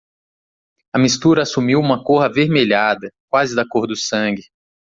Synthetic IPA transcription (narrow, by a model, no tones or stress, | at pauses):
ɐmist̪uɾɐasumiwũmɐkoɦɐveɾmeʎad̪ɐk̚wazɪd̪akoɾd̪ʊsɐ̃ɡɪ